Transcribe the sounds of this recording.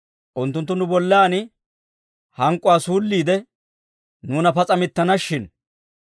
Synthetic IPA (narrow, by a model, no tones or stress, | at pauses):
ʔʊnt̪ːʊnt̪ːʊnʊbɔlːaːnɪ | hɐŋkʼːʊwaːsuːlːiːd̪ɛ | nuːnɐpɐt͡sʼɐmɪt̪ːɐnɐʃːɪn